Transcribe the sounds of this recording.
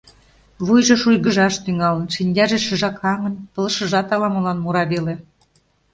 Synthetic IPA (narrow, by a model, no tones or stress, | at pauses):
βujʒɤ̆ʃujɣə̆ʒɑʃt̪yŋɑlə̆nʃinʲdʲɑʒĕʃəʒɑkʰɑŋə̆npɤ̆lə̆ʃə̆ʒɑt̪ɑlɑmɤ̆lɑnmuɾɑβelĕ